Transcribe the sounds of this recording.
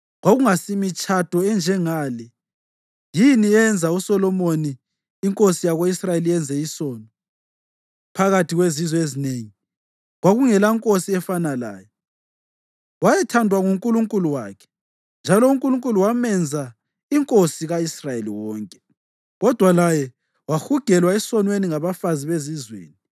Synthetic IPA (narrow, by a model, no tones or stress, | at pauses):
ɣwaɣuŋasimit͡ʃʼad̥ʱɔɛnd͡ʒʱɛŋaːlɛ | jiniɛnd͡zʱausɔlɔmoniː | ŋkʼosijaɣoisrajeliɛnd͡zʱɛisɔːnɔ | pʰaɣatʰiɣwezizɔezineŋi | ɣwaɣuŋɛlaiŋkʼosiɛfanala̰ːjɔ | wajɛtʰandʱwaŋuŋkʼuluŋkʼuluwa̰ːkʰɛ̥ | nd͡ʒʱalɔuŋkʼuluŋkʼuluwamɛnd͡zʱa | iŋkʼosiɣaisrajelḭwɔːŋkʼɛ̥ | ɣɔd̥ʱwalajɛ | waxuɡ̥ʱɛlwaɛsɔnweniŋaβafaziβezizwḛːni